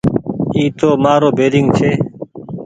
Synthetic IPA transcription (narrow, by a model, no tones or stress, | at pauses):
iːt̪oːmaːɾoːbʱeːɾɪŋɡt͡ʃʰeː